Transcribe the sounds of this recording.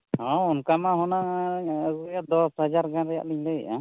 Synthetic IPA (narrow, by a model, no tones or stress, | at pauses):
ɔ̃ɔnkamaɦɔna | ɡujad̪ɔsɦəd͡ʒaɾɡãɾɛja̰ʔliɲlɛjɛ̰ʔa